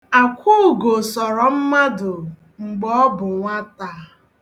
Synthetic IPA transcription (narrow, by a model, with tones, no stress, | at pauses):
a˨kʷu˦˨ɡo˨sɔ˨ɾɔ˨m̩˦ma˦dʊ˨ | ŋ͡m̩˨ɡ͡bɔ˦bʊ˨ŋʷa˦ta˨